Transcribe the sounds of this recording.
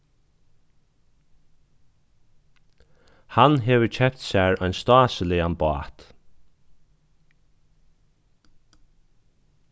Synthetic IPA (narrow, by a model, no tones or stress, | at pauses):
hanɦɛːʋəɹcʰɛpt̪sæɹɔjnst̪ɑːsəlɪanbɑ̰ːt̪